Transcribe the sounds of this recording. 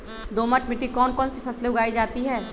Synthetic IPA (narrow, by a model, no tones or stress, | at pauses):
d̪oːməʈmɪʈːikɔːnkɔːnsipʰɐsleʊɡaːid͡ʒaːt̪iɦɛː